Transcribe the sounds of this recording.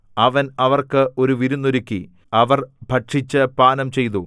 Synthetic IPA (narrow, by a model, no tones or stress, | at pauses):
ɐʋɐnɐʋɐrkɨo̞ɾuʋiɾunːoɾukʲːḭ | ɐʋɐrbʱɐʈʂit͡ɕːɨpaːnɐmt͡ɕe̞jt̪u